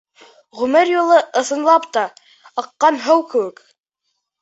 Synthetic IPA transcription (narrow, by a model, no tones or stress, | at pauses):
ʁʉmɘɾjolˠɤʔɤ̆θɤ̆nlˠɑpt̪ɑ | ɤ̆qːɑnɦɤwkɘ̆wɘk